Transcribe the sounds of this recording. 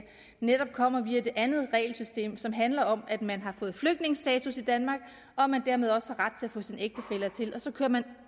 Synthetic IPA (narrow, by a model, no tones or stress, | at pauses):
ned̥ɒ̽b̥̚kʰɒ̽m̰ɐʋiæd̥e̝ʔænð̩ˠʁɛ̰ɪlsysd̥e̝̰ːmsɒ̽mɦænlɐɒ̽mæd̥mænɦɑ̈fɔ̽ːð̩ˠfløɡ̥d̥ne̝ŋəsd̥ɛːt͡sʰusid̥ænmɑ̈ːɡ̥ | ɒ̽æmænd̥æɐ̰með̞ˠɒ̽səhɑ̈ʁd̥̚t͡sʰe̝læfɔ̽ːsineɡ̥̚d̥əfel̰ɐt͡sʰe̝lʔɒ̽sɒ̽kʰøːɐmæn